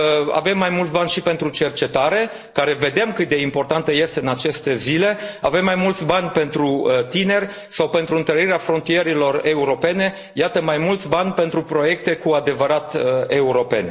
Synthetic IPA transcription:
a̰ve̞mːajmult̪sʲbanʲʃipe̞nt̪ɾut͡ʃe̞rt͡ʃe̞t̪aɾe̞ | kaɾe̞ve̞d̪e̞mkɨt̪̚d̪e̞impo̞rt̪ant̪əje̞st̪eɨnat͡ʃe̞st̪e̞zile̞a̰ve̞mːajmult̪sʲbanʲpe̞nt̪ɾut̪ine̞rʲ | sawpe̞nt̪ɾuɨnt̪əɾiɾeafɾo̞nt̪ije̞ɾilo̞re̞uɾo̞pe̞ne̞ | jat̪əmajmult̪sʲbanʲpe̞nt̪ɾupɾo̞je̞k̚t̪e̞kuad̪e̞vəɾat̪e̞uɾo̞pe̞̰nʲ

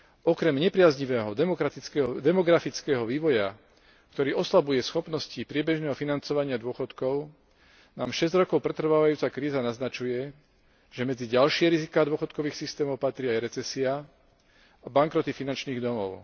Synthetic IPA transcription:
ɔkɾɛmɲɛpɾɪazɲiʋɛːɦɔmɔɾat̪ikd̪ɛmɔɡɾafit͡skɛːɦɔʋiːʋɔja | kt̪ɔɾiːʔɔslabujɛsxɔpnɔscipɾɪɛbɛʒnɛːɦɔfinant͡sɔʋaɲɪad̪ʊɔxɔt̪kɔʊ | naːmʃɛzɟɾɔkɔʊpɾɛt̪r̩ʋaːʋajuːt͡sakɾiːzanaznat͡ʃujɛ | ʒ̥ɛmɛd͡ziɟalʃɪɛɾizikaːd̪ʊɔxɔt̪̚kɔʋiːxsist̪ɛːmɔʊpat̪ɾiːajɾɛt͡sɛsia | abaŋkɾɔt̪ifinant͡ʃniːɣd̪ɔmɔʊ

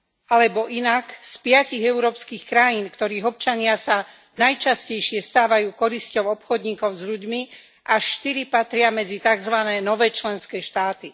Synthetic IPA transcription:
alɛbɔʔinakspɪaciɣɛʊɾɔːpskiːxkɾajiːnkt̪ɔɾiːɣɔp̚t͡ʃaɲɪasa | najt͡ʃascɛjʃɪɛst̪aːʋajuːkɔɾiscɔʊɔpxɔd̪ɲiːkɔʊzʎuɟmi | ʔaʃʃt̪iɾipat̪ɾɪamɛd͡zit̪aɡzʋanɛːnɔʋɛːt͡ʃlɛnskɛːʃt̪aːt̪i

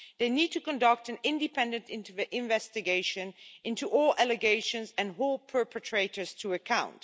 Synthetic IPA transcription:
ðeɪnid̚tʰukə̃ndʌk̚tɨ̃nɪ̃ndɨpʰɛ̃ndɨ̃ntɪ̃ntvʔɪ̃ɱvɛstɨɡeɪʃɨ̃nɪ̃ntuʔɔlˠælɨɡeɪʃə̃nzɨ̃nɦolˠpʰɜ˞pʰətʰɹ̥eɪɾə˞z̥tʰəəkʰãʊ̃nt

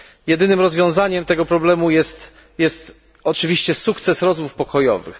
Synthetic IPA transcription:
jɛd̪ɘnɘmɾɔzvʲjɔ̃w̃zaɲɛmt̪ɛɡɔpɾɔblɛmujɛst̪ | jɛst̪ | ɔt͡ʂɘvʲiɕt͡ɕɛsukt̪sɛsɾɔzmufpɔkɔjɔ̰vɘ̰x

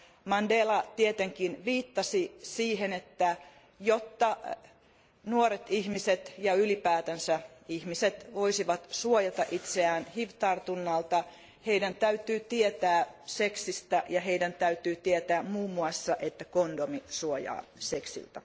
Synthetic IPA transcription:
mɑndeːlɑt̪iet̪eŋkinʋiːt̪ːɑsisiːɦenet̪ːæ | jot̪ːɑ | nuoɾet̪ihmiset̪jɑylipæːt̪ænsæihmiset̪ʋoisiʋɑt̪suojɑt̪ɑʔit̪seæːnhiʋt̪ɑrt̪unːɑlt̪ɑ | heidænt̪æyt̪yːt̪iet̪æːseksist̪æjɑheidænt̪æyt̪yːt̪iet̪æːmmuːmːuɑsːɑʔet̪ːækondomisuojɑ̰ːseksḭlt̪æ

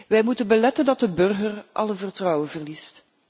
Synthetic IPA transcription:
ʋɛjmutənbəlɛtəndɑt̚dəbɵrɣərʔɑ̰ləvərtrɔwənvərlist

